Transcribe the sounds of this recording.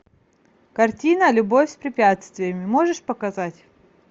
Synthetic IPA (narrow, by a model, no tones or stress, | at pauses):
kɐrtʲinəlʲʊbo̞fʲsʲpɾʲɪpʲat̪st̪vʲɪjəmʲɪmoʐɨʂpəkɐzatʲ